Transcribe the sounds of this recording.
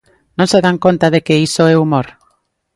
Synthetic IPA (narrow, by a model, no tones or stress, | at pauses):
nõnseðaŋkont̪aðekeisoɛumoɾ